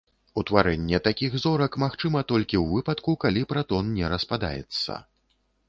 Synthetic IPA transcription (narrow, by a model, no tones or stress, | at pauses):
ut̪vaɾɛnʲːɛt̪akʲixzɔɾɐkmaxt͡ʂɨmɐt̪ɔlʲkʲiwvɨpɐt̪kukalʲipɾat̪ɔnnʲɛɾɐspad̪a̰jɛ̰t̪sːɐ̰